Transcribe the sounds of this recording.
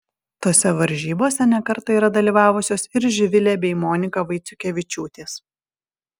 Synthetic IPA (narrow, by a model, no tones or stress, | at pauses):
t̪oːsʲɛʋɐɾʲʒʲiːboːsʲɛnʲɛkɐɾt̪ɐiːɾɐd̪ɐlʲiːʋɑːʋʊsʲoːsɪɾʒʲɪʋʲɪlʲeːbʲɛɪmoːnʲɪkɐʋɐɪt̪sʲʊkʲeːʋʲɪt͡ʃʲuːt̪ʲeːs